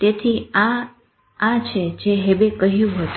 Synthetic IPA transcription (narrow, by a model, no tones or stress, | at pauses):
t̪et̪ʰia | at͡ʃʰed͡ʒeɦebekəɦjũɦət̪